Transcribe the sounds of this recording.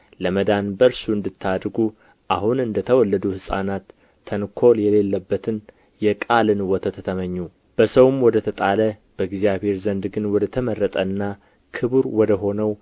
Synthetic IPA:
ləməd̪anbəɾsuɨnd̪ɨt̪ʰːad̪ɾɡu | ʔaɦunɨnd̪ət̪ʰəwɔlːəd̪uhɨsʼa̰nat̪ʰː | ənkʰo̞ljɛle̞lːəbːət̪ʰɨn | jɛkʼalɨnwɔt̪ʰət̪ʰət̪ʰəməɲːu | b̥əsəwɨmwɔd̪ət̪ʰət̪ʼaləb̥əɡzijaβhe̞ɾzənd̪ɡɨnwɔd̪ət̪ʰəmərːət̪ʼənːa | kʰɨbuɾwɔd̪əɦo̞nəw

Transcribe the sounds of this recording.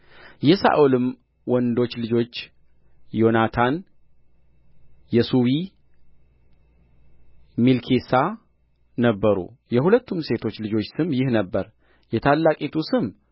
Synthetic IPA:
jɛsa̰ʔulɨm | wɔnd̪o̞t͡ʃːlɨd͡ʒo̞t͡ʃː | jo̞nat̪ʰan | jɛsuwi | milkʰesa | nəbːəɾṵjɛhulət̪ʰːumse̞t̪ʰo̞t͡ʃːlɨd͡ʒo̞t͡ʃːsɨmjɪhnəbːəɾ | jɛt̪ʰalːakʼit̪ʰusɨm

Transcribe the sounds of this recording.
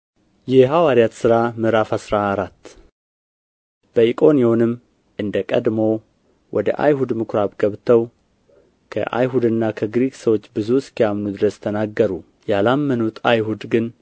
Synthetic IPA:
jɛɦawaɾijat̪sɨɾamɨɾafasɾaːɾat̪ː | b̥əikʼo̞njo̞nɨmː | ʔɨnd̪əkʼə̰d̪mo̞ | wʔɔd̪ə̰ʔa̰jɦud̪mɨkʰɾabɡəβt̪ʰəw | kʰə̰ʔa̰jɦud̪ɨnːakʰəɡɾiksəwo̞t͡ʃːbɨzuskijamnud̪ɨɾəst̪ʰənaɡːəɾu | jalamːənut̪ʰajɦud̪ɡɨn

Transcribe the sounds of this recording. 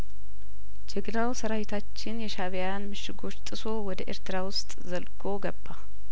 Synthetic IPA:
d͡ʒɛɡɨlawsəɾawɪt̪ʰat͡ʃːɪnjɛʃaβjanmɨʃːɪɡo̞t͡ʃːt̪ʼɨso̞wɔd̪əʔe̞̰ɾt̪ʰɨɾawʊst̪ʼzəlɡʰo̞ɡəbːa

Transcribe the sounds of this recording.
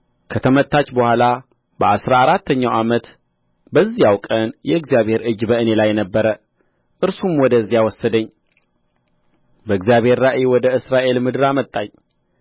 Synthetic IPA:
kʰət̪ʰəmət̪ʰːat͡ʃːbəhʷala | bəasɾaːɾat̪ʰːəɲːawʔamət̪ | bəzːijawkʼənjɛɨɡzijaβhe̞ɾʔɨd͡ʒːbəɨne̞lajːɛnəbːəɾə | ʔɨɾsumwɔd̪əzːijawɔsːəd̪əɲː | bəɨɡzijaβhe̞ɾːaʔewɔd̪əɨsɾaʔe̞lmɨd̪ɨɾamət̪ʼːaɲ

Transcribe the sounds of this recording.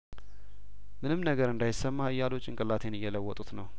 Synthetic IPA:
mɨnɨmnəɡəɾɨnd̪ajɪsːəmːahɨjːalo̞t͡ʃːɪŋkʼɨlːat̪ʰe̞nɨjːɛləwːɔt̪ʼut̪nəw

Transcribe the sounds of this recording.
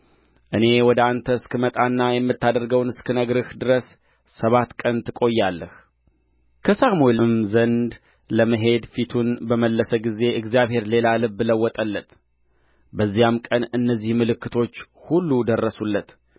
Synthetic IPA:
ʔɨne̞wɔd̪əant̪ʰəskɨmət̪ʼanːajɛmːɨt̪ːad̪əɾɡəwnɨskʰɨnəɡɾɨhd̪ɨɾəs | səβat̪kʼənt̪ʰɨkʼo̞jːalːəh | kʰəsamuelmzənd̪ | ləməɦe̞d̪fit̪ʰunbəməlːəsəɡize̞ʔɨɡzijaβhe̞ɾle̞lalɨbːləwːɔt̪ʼəlːət̪ | bəzːijamkʼənɨnːəzːihmɨlɨkːɨt̪ʰo̞t͡ʃːhulːud̪ərːəsulːət̪

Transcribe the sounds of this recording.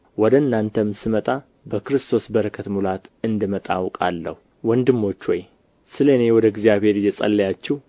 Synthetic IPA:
wɔd̪ənːant̪ʰəmsɨmət̪ʼa | bəkɨɾɨst̪ʰo̞sbəɾəkʰət̪mulat̪ɨnd̪ɨmət̪ʼawkʼa̰lːə̰hu | wɔnd̪ɨmːo̞t͡ʃːwɔj | sɨlenewɔd̪əɡzijaβhe̞ɾjɛsʼə̰lːəjat͡ʃːɛh

